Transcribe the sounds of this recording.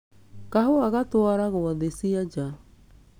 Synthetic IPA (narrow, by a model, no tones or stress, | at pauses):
kaɦuaɡat̪oaɾaɡowad̪esiad͡ʒa